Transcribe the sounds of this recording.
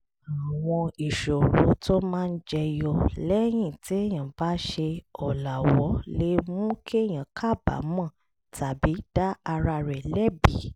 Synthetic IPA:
a˨w̃ɔ̃˧i˨ʃo˨ɾo̰˨˦to˦mãː˦˧n̩˦d͡ʒɛ˧jɔ˧lɛ˦j̃ĩ˦˨ti˨˦e˦˨j̃ã˨ba˨˦ʃe˧ɔ˨la˨wɔ˨˦le˦mũ˦kʰe˦˨j̃ã˨kʰa˦˨ba̰˨˦mɔ̃˦˨ | tʰa˨bi˨˦d̥a˦a˧ɾa˧ɾɛ˨lɛ˦bi˨˦

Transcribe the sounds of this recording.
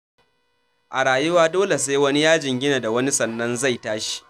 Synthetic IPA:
ʔa˨ɽaː˨jʊ˦waː˦doː˦le˨s̬eː˦wɐ˦ni˦jaː˦d͡ʒɪ˨ŋɡʲɪ˦na˨da˨wɐ˦ni˦sɐ˨nːɐ˦nza˦˨jtaː˦ʃi̥˦

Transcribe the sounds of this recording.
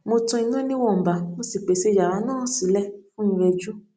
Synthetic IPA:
mo˧tɔ̃˧i˧nã˦nĩ˦wɔ˦˨m̩˨ba˨mo˧si˨k͡pe˨se˧˦˧d͡ʒa˨ɾa˨˦nãː˦˨si˨˦lɛ˦fũ˦ĩ˨˧ɾe˧d͡ʒu˦

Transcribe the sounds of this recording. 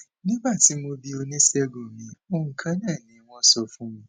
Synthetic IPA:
nĩ˦ba˦˨ti˨˦mo˧bi˦o˧nĩ˦sɛ˦ɡo˨mĩ˨˦o˦ŋ̩˨kʰã˦nã˦˨nĩ˨˦w̃ɔ̃˦sɔ˧fũ˦mĩ˧

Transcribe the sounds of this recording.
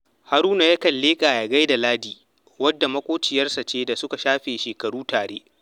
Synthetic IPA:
ha˨ɾuː˦na˨ja˦kɐ˨lːeː˦kʼaː˨jaː˨ɡa˦jda˨laː˦diː˨ | wɐ˦dːa˨mɐ˦kʷoː˦t͡ʃɪ˨jɐ˦rsa˨t͡ʃeː˦da˨sʊ˦ka˨ʃaː˦ɸeː˨ʃeː˨kɐ˨ɽuː˦taː˨ɽḛː˦ʔ

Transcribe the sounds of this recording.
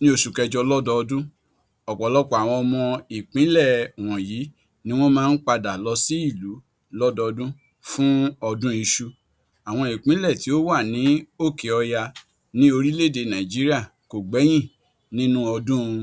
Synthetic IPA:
nĩ˦o˦˨ʃu˨kɛ˧d͡ʒɔ˧lɔ˦dɔ˧ɔ˧dũ˦ | ɔ˨k͡pɔ˨lɔ˦kɔ˦˨a˨w̃ɔ̃˧ɔ˧mɔ̃˧i˨k͡pĩ˨˦lɛ˦˨w̃ɔ̃˨jiː˨˦ | nĩ˦w̃ɔ̃˦mãː˦˧n̩˦k͡pa˧da˨lɔ˧si˦i˦˨lu˨˦ | lɔ˦dɔ˧ɔ˧dũ˦ | fũ˦ɔ˧dũ˦i˧ʃu˧ | a˨w̃ɔ̃˧i˨k͡pĩ˨˦lɛ˦˨ti˨˦o˦wa˦˨nĩ˨˦o˦˨ke˨ɔ˧ja˧ | nĩ˦o˧ɾi˦le˦˨de˧nã˨d͡ʒi˨˦ɾi˦a˦˨ | ko˨ɡ͡bɛ˨˦j̃ĩ˦˨ | nĩ˦nũ˦ɔ˧dũ˦˧

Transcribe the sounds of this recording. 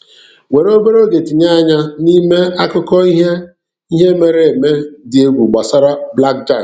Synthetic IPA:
we˨ɾo˦be˦ɾo˦ɡe˨ti˨ɲe˦a˦ɲa˦ni˦me˦a˦kʊ˦kɔ˦i˦ɦe˦ | i˦ɦe˦me˨ɾe˦˨e˨me˦dɪ˨e˦ɡʷu˨ɡ͡ba˨sa˦ɾa˦bla˦k̚d͡ʒa˦˨

